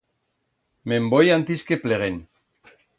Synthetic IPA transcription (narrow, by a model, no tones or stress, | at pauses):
membojant̪iskepleɣen